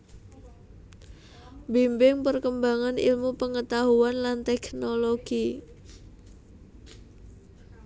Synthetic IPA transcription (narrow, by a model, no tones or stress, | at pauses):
mbimbɪŋpərkəmbaŋanḭlmupəŋət̪aɦuanlant̪ɛknoloɡ̥i